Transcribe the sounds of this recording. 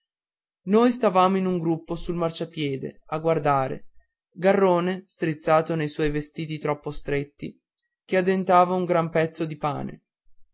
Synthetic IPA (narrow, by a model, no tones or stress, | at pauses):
noːjst̪avaːmoinuŋɡɾupːosulmart͡ʃapjɛːd̪ḛaɡward̪aːɾḛ | ɡarːoːnest̪ɾit̪sːaːt̪onejswɔjvest̪iːt̪it̪ɾɔpːost̪ɾet̪ːḭ | kead̪ent̪aːvauŋɡɾampɛt̪sːod̪ipa̰ːnḛ